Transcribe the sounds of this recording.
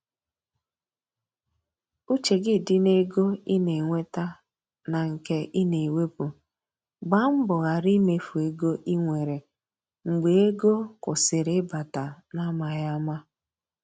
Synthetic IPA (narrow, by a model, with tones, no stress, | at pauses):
u˦t͡ʃe˨ɡɪ˦˨dɪ˦ne˦ɡo˦i˦ne˨ŋʷe˦ta˦ | na˨ŋ̩˨ke˦ʔi˦ne˨we˦pu˨ | ɡ͡ba˦m̩˦bʊ˨ɣa˨ɾi˦me˨fu˨e˨ɡo˦ʔi˦ŋʷe˨ɾe˨ | ŋ͡m̩˨ɡ͡be˨e˦ɡo˦kʊ˨sɪ˨ɾɪ˦ba˨ta˨na˦ma˨ja˦ma˦